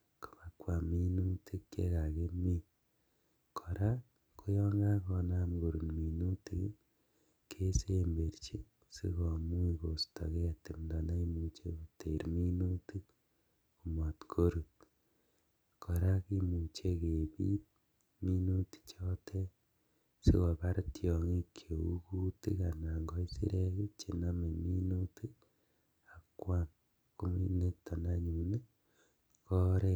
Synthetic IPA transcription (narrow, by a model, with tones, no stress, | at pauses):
ku̥˨ma˨kwa˨mi˦nu˦tʰi˦kkḛ˦ka˨ke˦mi˦ | kʰɔ˨ɾa˦ | kʰo˦jɔ˦ŋɡa˦kɔ˧na˦mɡo˨ɾu˨nmi˨nu˦ti˦k | kʰe˦se˦mbe˨ɾt͡ʃi˦ | sḭ˦kɔ˨mu˦i˨ko˨stɔ̰˨ke˦a˨ti˨mndɔ˨na˦i˦mu˨t͡ʃḛ˦ku˨te˨ɾmi˦nu˦ti˦k | ku˨mɔ˨tkʰo˦ɾu˨t | kɔ˨ɾa˦ki˦mu˨t͡ʃe˦ke˨bḭ˦ | mi˦nu˦ti̥˨t͡ʃɔ˦tʰɛ˦ | sḭ˦ka˨pa˦ɾtjɔ˨ŋi˦kʰjo˨u˦ku˦ti˦ka˨na˨ŋɡɔ˦i˦sḭ˦ɾe˦ke˦t͡ʃi˨na˦me˨mi˦nu˦ti˦ | a˨˦kwa˦n | ku˦mi˦ne˦tɔ˨na˦ɲu˨ne˦ | kɔ˦ɾɛ˦